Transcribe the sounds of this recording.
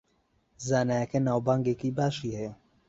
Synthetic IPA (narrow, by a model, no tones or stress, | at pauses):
zaːnaːjɐkenaːwbaːŋɡekiːbaːʃiːhe